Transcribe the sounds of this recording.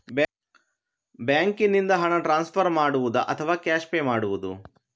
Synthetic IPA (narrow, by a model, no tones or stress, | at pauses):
bjaːŋkinːind̪ɐɦɐɳɐʈɾaːnspʰɐɾmaːɽuʋud̪ɐʔɐt̪ʰɐʋaːkaːʃpeːmaːɽuʋud̪ṵ